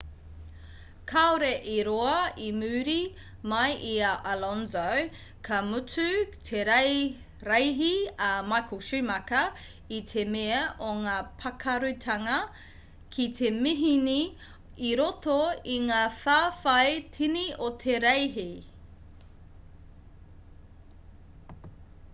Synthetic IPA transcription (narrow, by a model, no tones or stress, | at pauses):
kʰaoɾeʔiɾoɐimʉːɾi | mɐjʔiaʔalonzow | kʰɐmut͡sʉtʰeɾɐ | ɾɐjɦiɐmakʰuʃimɐkɐ | it̪ʰemeɐʔoŋaːpʰɐkʰɐɾʉtʰɐŋɐ | kʰit̪ʰe̞miɦini | iɾotoiŋaːfaːfɐjtʰiniot̪ʰeɾɐjɦi